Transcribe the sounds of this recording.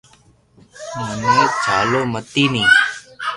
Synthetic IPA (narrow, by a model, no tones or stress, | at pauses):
mənẽːd͡ʒʰʱaːloːmət̪iːnĩː